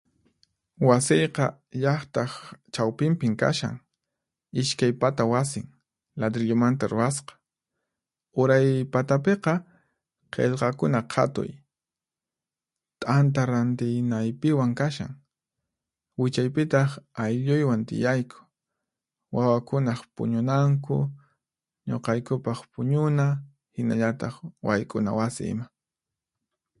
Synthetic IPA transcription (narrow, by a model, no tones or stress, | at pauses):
wasɪjqɑ | ʎɑχt̪ɑχt͡ʃawpɪmpɪŋka̰ʃa̰ŋ | ɪʃkajpat̪awas̬ɪŋ | lad̪ɾɪʎʊmant̪aɾʊɾasqɑ̥ | ʊɾajpat̪apeqɑ | qʰḛʎqɑkʊnaqʰɑ̰t̪ʊ̰j | t̪ʼant̪̬aɾant̪ɪjnajpɪwaŋkaʃa̰ŋ | wɪt͡ʃajpɪt̪ɑχajʎʊjwant̪ɪ̰jajkʰʊ̥ | wawakʊnɑχpʊ̰ɲʊnaŋkʊ̰ | ɲo̰qɑjkʊpɑχpʊɲʊna | hɪnaʎat̪ɑχwajkʼʊna̰wasɪ̰ɪ̰ma